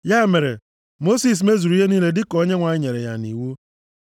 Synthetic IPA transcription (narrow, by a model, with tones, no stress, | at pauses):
ja˦e˨me˨ɾḛ˨ | mo˦si˦s̬me˦zu˨ɾu˨˦je˦ni˦le˦dɪ˦kɔ˦ɲe˦ŋʷa˨ɪ˦ɲe˨ɾḛ˨ja̰˨nḭ˨wu˦